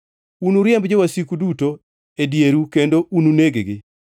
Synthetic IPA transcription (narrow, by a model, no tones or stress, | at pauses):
unuɾjɛmbd͡ʒowasikuduto | edjeɾukendoʔununeɡeɡɪ